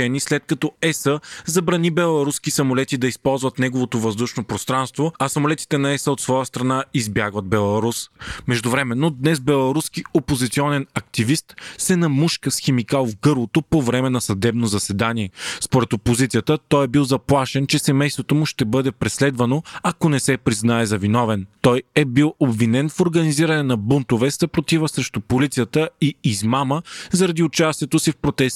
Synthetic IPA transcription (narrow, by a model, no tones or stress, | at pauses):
ɛnislɛt̪̚kɐt̪ɔɛsəzɐbɾɐnibɛlˠɐɾuskisɐmolɛt̪id̪ɐispɔlˠzvɐt̪nɛɡovot̪ovɐzd̪uʃnopɾost̪ɾanst̪voɐsɐmolɛt̪i̥t̪ɛnɐɛsəot̪svɔjəst̪ɾɐnaizbjaɡvɐd̪̚bɛlˠɐɾusmɛʒd̪ʊvɾɛmɛnːod̪nɛzbɛlˠɐɾuskiopozit̪siɔnɛnɐk̚t̪ivist̪sɛnɐmuʃkəsxɛmikalˠvɡɤɾlˠot̪opovɾɛmɛnɐsɐd̪ɛbnozɐsɛd̪aniɛspoɾɛt̪opozit̪sʲiət̪ət̪ɔjɛbilˠzɐplˠaʃɛnt͡ʃɛsɛmɛjst̪vot̪omʊʃt̪ɛbɤd̪ɛpɾɛslɛd̪vɐnoɐkonɛsɛpɾiznaɛzɐvinɔvɛnt̪ɔjɛbilˠobvinɛnfoɾɡɐniziɾɐnɛnɐbunt̪ovɛst̪ɐpɾot̪ivəsɾɛʃt̪ʊpolit̪sijət̪əiːzmaməzɐɾɐd̪iʊt͡ʃast̪ʲiɛt̪osifpɾot̪ɛst̪